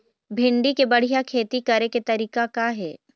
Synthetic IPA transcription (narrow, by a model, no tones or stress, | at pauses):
bʱɪ̃ɳɖikebɐɽ̤ijakʰeːt̪ikɐɾeket̪ɐɾiːkakaɦɛː